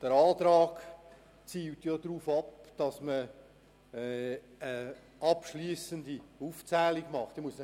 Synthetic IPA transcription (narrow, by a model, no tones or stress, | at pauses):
d̥əɾɑːtɾɑːɡ | t͡siːltjodɾuːfɑpd̥ɑsmə | ə | ʔɑpʃliəsəndiuft͡sɛːliɡmɑχt̪imuəsn